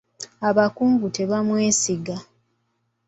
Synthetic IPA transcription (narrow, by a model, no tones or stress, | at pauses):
aβakuːmɡute̞βamwe̞ːsiɡa